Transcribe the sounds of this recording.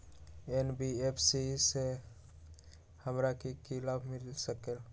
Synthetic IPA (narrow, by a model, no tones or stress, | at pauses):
enbiepʰsise | həmɾakikilaːbʱmɪlsəkel